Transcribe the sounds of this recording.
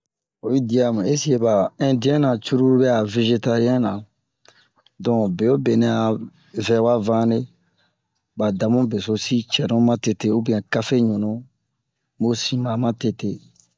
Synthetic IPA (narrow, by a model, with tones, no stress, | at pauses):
o˨ji˦di˨a˨mã˨e˦si˦e˨ba˨ɛ̃˦di˦ɛ̃˦nã˨t͡ʃu˦ɾu˦ɾbɛ˦a˨ve˧ʒe˦ta˦jɛ̃˦nã˨ | dɔ̃˨be˨jo˦be˨nɛ̃˨a˨ | vɛ̃˦wa˦vã˦ne˦ | ba˨da˨mũ˦be˨so˦si˦t͡ʃɛ˨ɾũ˦mã˦te˨te˦o˦bĩ˦ɛ̃˨ka˦fe˦ɲũ˨nũ˨˦ | mo˦sĩ˦mã˨mã˦te˦te˦